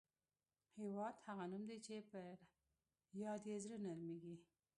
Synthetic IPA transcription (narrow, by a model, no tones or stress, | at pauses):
hewɑd̪haɣanumd̪et͡ʃepəɾ | jɑd̪ezɾənalmeɡi